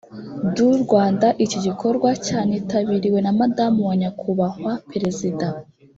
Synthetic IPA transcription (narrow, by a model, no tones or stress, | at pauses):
duɾɡwaːndaʔicoɟikʰo̞ɾɡwacaːnetaβiɾiwe̞namadamuwaɲakʰuβahwapeɾe̞zida